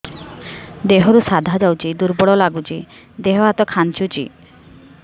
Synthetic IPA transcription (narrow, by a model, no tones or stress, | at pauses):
d̪eɦɔɾusad̪ʱad͡ʒawt͡ʃʰid̪uɾbɔɽɔlaɡut͡ʃʰi | d̪eɦɔɦat̪ɔkʰant͡ʃut͡ʃḭ